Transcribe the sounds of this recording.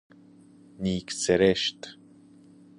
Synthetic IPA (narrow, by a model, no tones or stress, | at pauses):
niːkseɾeʃt̪